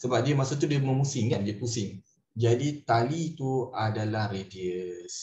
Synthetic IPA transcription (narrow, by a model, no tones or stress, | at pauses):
səbap̚diəmasot̪̬udiəməmusiŋandiəpusɪŋ | d͡ʒadit̪alit̪uadalahrediəs